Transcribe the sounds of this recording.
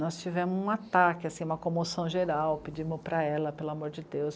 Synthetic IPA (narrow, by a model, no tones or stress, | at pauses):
nɔst͡ʃivẽmʊzũat̪akɪasĩũmɐkõmosɐ̃w̃ʒeɾawpid͡ʒimʊpɾɐɛlɐpelʊamoɾd͡ʒɪd̪ews